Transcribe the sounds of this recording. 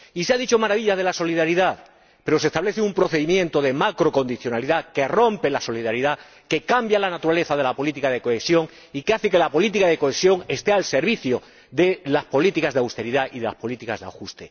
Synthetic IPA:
iseaðit͡ʃo̞maɾaβ̞iʎazð̞e̞laso̞liðaɾiðað | pe̞ɾo̞s̬est̪aβle̞θeumpɾo̞θe̞ðimjẽ̞nt̪o̞ðe̞makɾo̞ko̞nd̪iθjo̞naliðake̞rõ̞mpe̞laso̞liðaɾiða | ke̞kambjalanat̪uɾale̞θað̞e̞lapo̞lit̪ikaðe̞ko̞esjo̞ŋ | ikeaθeke̞lapo̞lit̪̬ikaðeko̞esjo̞ŋe̞st̪e̞alse̞ɾβiθjo | ðe̞laspo̞lit̪ikazðawst̪e̞ɾiðaiðe̞la̰spo̞lit̪ikazða̰xust̪e̞

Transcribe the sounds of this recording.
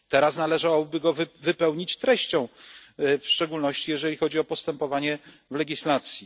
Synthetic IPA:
t̪ɛɾasnalɛʐawɔbɘɡɔvɘpɛwɲit͡ɕt̪ɾɛɕt͡ɕɔ̃w̃ | fʂt͡ʂɛɡulnɔɕt͡ɕijɛʐɛlʲixɔd͡ʑiɔpɔst̪ɛmpɔvaɲɛ | vlɛɡʲislat̪sʲji

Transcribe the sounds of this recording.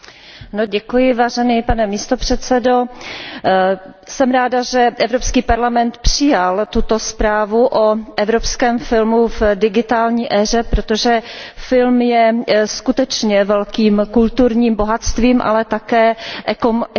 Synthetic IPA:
noɟɛkujɪvaːʒɛniːpanɛmiːst̪opr̝̥ɛt̪t͡sɛdo̞ | sɛmɾaːdaʒɛʔɛvɾopskiːpaɾlamɛnt̪pr̝̥ɪjalt̪ut̪o̞spɾaːvuʔoʔɛvɾopskɛːmfɪlmuvdɪɡɪt̪aːlɲiːʔɛːr̝ɛpɾot̪o̞ʒɛfɪlmjɛskut̪ɛt͡ʃɲɛvɛlkiːmkult̪uɾɲiːmboɦat̪st̪viːmʔa̰lɛt̪akɛːʔɛko

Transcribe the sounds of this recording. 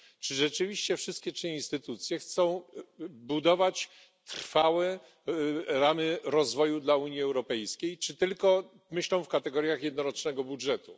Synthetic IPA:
t͡ʂɘʐɛt͡ʂɘvʲiɕt͡ɕɛfʂɘst̪kʲɛt͡ʂɲĩnst̪ɘt̪ut̪sʲjɛxt̪sɔ̃w̃bud̪ɔvat͡ɕ | t̪ɾfawɛ | ɾamɘɾɔzvɔjud̪lauɲjiɛwɾɔpɛjskʲejt͡ʂɘt̪ɘlkɔ | mɘɕlɔ̃w̃fkat̪ɛɡɔɾʲjaxjɛd̪nɔɾɔt͡ʂnɛɡɔbudʐɛt̪u

